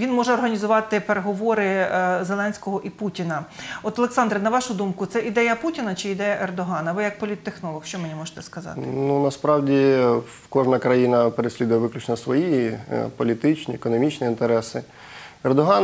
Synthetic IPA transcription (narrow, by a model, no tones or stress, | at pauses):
ʋʲinmɔʒɛɔrɦɐnʲizʊʋɑt̪ɪpeɾeɦɔʋɔɾɪzelˠɛnʲsʲkɔɦɔʔiputʲinɐɔt̪ɐlˠeksɑnd̪ɾɐnɐʋɑʃʊd̪umkʊt̪sɛʔid̪ɛjɐputʲinɐt͡ʃɪːd̪ɛjɐʔerd̪ɔɦɑnɐʋɪjɐk̚pɔlʲit̪ːexnɔlˠɔxʃt͡ʃɔmenʲimɔʒe̥t̪ɛskɐzɑ̰t̪nunɐspɾɑwdʲi | kɔʒnɐkɾɐjinɐpeɾesʲlʲid̪ʊjɐʋɪklʲʊt͡ʃnɔsʋɔjipɔlʲit̪ɪt͡ʃnʲiekɔnɔmʲit͡ʃnʲiint̪eɾɛsɪ | erd̪ɔɦɑn